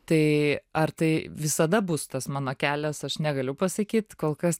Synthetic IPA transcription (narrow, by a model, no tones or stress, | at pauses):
t̪ɐɪɐrt̪ɐɪʋʲɪsɐd̪ɐbʊst̪ɐsmɑːnoːkʲæːlʲɛsɐʃnʲɛɡɐlʲʊpɐsɐkʲiːt̪koːlˠkɐs